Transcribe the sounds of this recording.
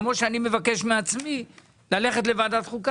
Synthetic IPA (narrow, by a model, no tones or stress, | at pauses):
mo̞ʃeanime̞vake̞ʃmeat͡smi | lale̞χet̬le̞vad̪atχuk